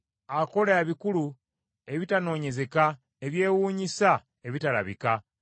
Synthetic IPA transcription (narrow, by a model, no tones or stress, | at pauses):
ako̞laaːβikulu | e̞βitano̞ːɲe̞ze̞ka | eβje̞ːwuːɲisa | eβitala̰βḭka